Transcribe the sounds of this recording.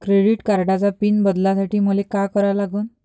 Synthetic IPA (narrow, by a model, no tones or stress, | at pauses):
kɾeɽiʈkaɾɖat͡sapiːnbəd̪lasaʈiːməlekakəɾalaɡuːn